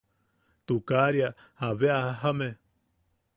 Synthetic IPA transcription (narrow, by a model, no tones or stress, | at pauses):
t̪ukaɾja | haβeahɦame